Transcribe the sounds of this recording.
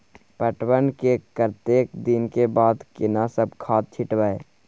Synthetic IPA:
pəʈwənkekəɾt̪eːkd̪ɪnkebaːd̪kɪnasəb̚kʰaːt̪̚t͡ʃʰɪʈwaːe

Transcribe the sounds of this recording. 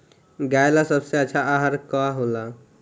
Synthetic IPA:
ɡajlasəbseəːt͡ʃʰaaɦəɾkɔɦola

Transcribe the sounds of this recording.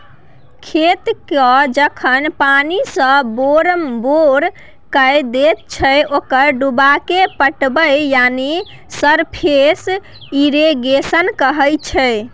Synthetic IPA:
kʰet̪kəd͡ʒəkʰənpanisə̃boɾmboɾ | kəjd̪et̪̚t͡ʃʰəokəɾɖubakepəʈbəjjani | səɾpʰes | iɾeɡesənkəɦəjt͡ʃʰɛ

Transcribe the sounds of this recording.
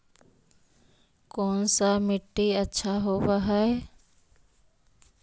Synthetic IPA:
koːnsamɪʈːiətːʃʰaɦoʋaɦɛe

